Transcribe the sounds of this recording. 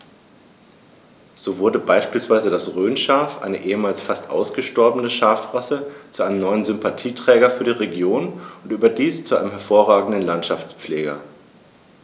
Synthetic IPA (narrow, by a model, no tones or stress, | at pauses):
z̥oːvʊɐdəbaɪʃpiːlsv̥aɪzədasʁøːnʃaɐfʔa̰ɪnəʔeːəmaːlsfastʔa̰ʊsɡ̥əʃtɔɐbənəʃaɐfʁasət͡suʔaɪnəmnɔʏənzʏmpatʰiːtʁ̥ɛːɡɐfyːɐdiːʁeɡjoːnʊntʔyːbɐdiːst͡suʔa̰ɪnəmhɛɐfoːɐʁaːɡŋ̩dən̩lantʃaft͡spp͡fleːɡɐ̰